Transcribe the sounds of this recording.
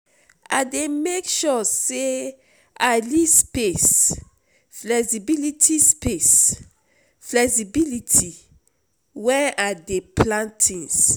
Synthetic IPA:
a̰demekʃɔse | alispes | flɛksibilitʰispes | flɛksibilitʰi | wɛ̃nadeplãntʰĩns

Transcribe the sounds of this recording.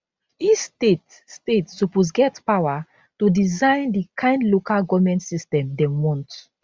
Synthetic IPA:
istet | stetsupos̬ɡɛtpawa | tudizãɪ̃ndikʰãɪ̃ndlokalɡɔvmɛ̃ntsistɛ̃mdɛ̃wɔ̃nt

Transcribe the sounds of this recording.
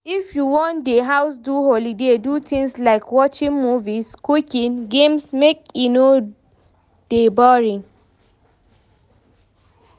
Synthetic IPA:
ifjuwɔ̃ndeɦaʊs̬duɦolidedutʰĩŋslaɪkwɔt͡ʃĩŋmuviskukinɡemsmekjino | d̥ebɔɹĩn

